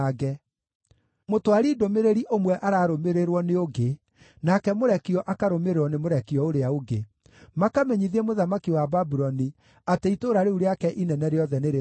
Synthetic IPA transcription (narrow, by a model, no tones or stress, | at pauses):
ɡɛ | motoaɾiːdomeɾeɾiʔomwɛʔaɾaːɾomeɾeɾwɔneoɡe | nakɛmoɾɛkiɔʔakaɾomeɾeɾwɔnemoɾɛkiɔoɾeaoɡe | makamɛɲiðiemoðamakiwababuɾɔni | ateitoɾaɾeuɾeakɛʔinɛnɛɾeɔðɛneɾe